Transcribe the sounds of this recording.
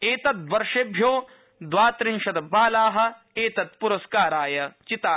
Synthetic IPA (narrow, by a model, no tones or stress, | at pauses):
eːt̪ɐt̪̚ʋɐɾʂebʱjoː | d̪ʋaːt̪ɾɪŋʃɐt̪ɐbaːlaːɦɐ̆ | eːt̪ɐt̪̚puɾɐskaːɾaːjɐt͡ʃit̪aː